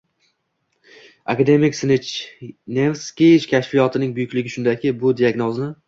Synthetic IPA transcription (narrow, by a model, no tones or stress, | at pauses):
akad̪e̞mɪkʲsnɪt͡ʃnevskʲeɪʃkʲʰaʃfijɒt̪ʰɪnɪŋbʊjʊkʲlɪɡʲɪʃʊnd̪akʲʰɪbʊd̪ijaɡnɒznɪ